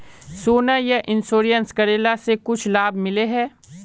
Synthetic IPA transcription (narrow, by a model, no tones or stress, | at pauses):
soːnajɐʔɪnsoːɾijənskɐɾeːlasekʊt͡ʃʰlaːbmɪleɦɛː